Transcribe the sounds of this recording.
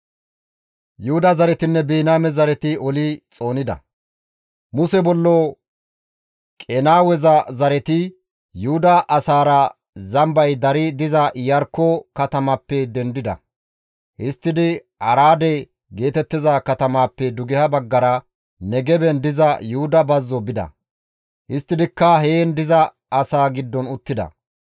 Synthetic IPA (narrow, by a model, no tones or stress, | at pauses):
jʊhʊd̪ɐzɐɾɛt̪ɪnːɛbeːnaːmɛzɐɾɛt̪ɪɔlɪt͡sʼo̞ːnɪd̪ɐ̰ | mʊsɛbɔlːoː | kʼɛnaːwɛzɐzɐɾɛt̪ɪ | jʊhʊd̪ɐʔɐsaːɾɐ | zɐmbɐjd̪ɐɾɪd̪ɪzɐjɐɾkːokɐt̪ɐmɐpːɛd̪ɛnd̪ɪd̪ɐ̰ | hɪst̪ːɪd̪ɪ | ʔɐɾaːd̪ɛ | ɡe̞ːt̪ɛt̪ːɪzakɐt̪ɐmaːpːɛd̪ʊɡɛhɐbɐɡːɐɾɐ | nɛɡɛbɛnd̪ɪzɐjʊhʊd̪ɐbɐzːɔbɪd̪ɐ̰ | ʔɪst̪ːɪd̪ɪkːɐɦeːnd̪ɪzɐ | ɐsaːɡɪd̪ːɔnʊt̪ːɪd̪ɐ̰